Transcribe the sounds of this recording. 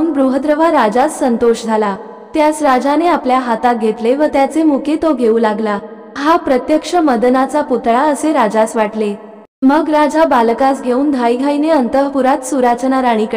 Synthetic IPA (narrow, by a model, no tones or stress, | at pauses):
nbɾuɦəd̪ɾəʋaɾad͡zasːənt̪oʂd͡zʱala | t̪jasɾad͡zaneapljaɦat̪aɡʱet̪leʋət̪jat͡semuket̪oɡʱeulaɡla | ɦapɾət̪jəkʂəməd̪ənat͡saput̪ɭaəseɾad͡zasʋaʈle | məɡɾad͡zabalkasɡʱeuːnd̪ʱajɡʱaineənt̪əɦpuɾat̪suɾat͡ɕnaɾaɽ̃iːk